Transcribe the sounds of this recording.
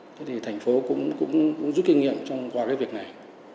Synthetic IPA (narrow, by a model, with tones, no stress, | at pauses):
t̪ʰe˨˦t̪ʰi˨˩t̪ʰɛ˨˩jŋ̟fo˨˦kʊ̰˧˥ŋ͡mkʊ̰˧˥ŋ͡mkʊ˧˥ŋ͡mzu˦˥t̚ki˧ŋ̟ŋḭ˧˨əmt͡ɕɔ˧wŋ͡mkwaː˧kaː˨˦jvi˨˩ək̚na˨˩j